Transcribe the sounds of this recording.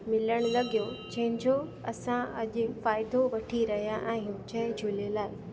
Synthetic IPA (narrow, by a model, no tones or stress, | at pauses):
mɪləɽ̃lɐɠijod͡ʑɐ̃ɦɪ̃ɲd͡ʑo | ɐsãɐʄʊfaːɪd̪oʋɐʈʰiɾɐɦijaʔɛ̃ːɦʊ̃d͡ʑɐd͡ʑʱulelaːɪ